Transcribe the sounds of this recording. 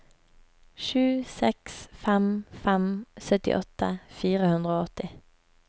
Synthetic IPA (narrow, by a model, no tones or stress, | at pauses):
ʃʉːsɛksfɛmfɛmsœt̪ɪ̰ʔɔt̪əfiːʁəhʉnd̪ʁəoːɔt̪ɪ